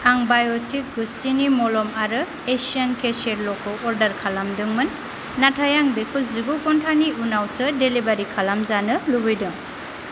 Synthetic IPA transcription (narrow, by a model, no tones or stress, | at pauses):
aŋbajɔtik̚ɡustinimɔlɔmaɾɯ | esiankeseɾlɔkʰɔʔɔɾdaɾkʰalamdɯŋmɯnː | atʰajaŋbekʰuziɡukɔntʰaniunawsɯdelibaɾikʰalamzanɯlubɯjdɯŋ